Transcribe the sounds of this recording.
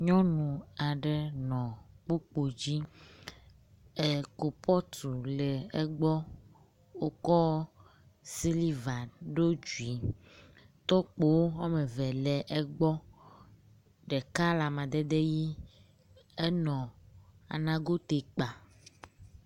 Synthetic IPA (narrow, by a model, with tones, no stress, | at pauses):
ɲɔ̃˦nũ˨a˨ɖɛ˨nɔ̃˨k͡pu˦k͡po˨d͡ʑi˦ | e˨ko˨pʰɔ˦t̪u˨le˨e˦ɡ͡bɔ˦ | wo˦kɔ˦ | si˦li˦va˨ɖo˦d͡ʒu˨i˨ | t̪ɔ˦k͡po˨wo˦wa˦me˨vɛ˨lɛ˨ʔe˦ɡ͡bɔ˦ | ɖɛ˨ka˦la˨mã˨d̪e˦d̪e˦ji˦ | e˦nɔ̃˨a̰˨nã˦ɡo˦t̪e˨k͡pa˨